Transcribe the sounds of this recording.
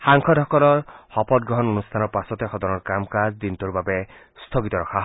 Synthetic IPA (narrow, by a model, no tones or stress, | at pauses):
xaŋkʰɔdʱɔkɔlɔɹxɔpɔt̚ɡɹɔɦɔnonustʰanɔɹpasɔtɛxɔdɔnɔɹkamkazdintuɹbabɛ | st̪ʰoɡitɔɹɔkʰaɦ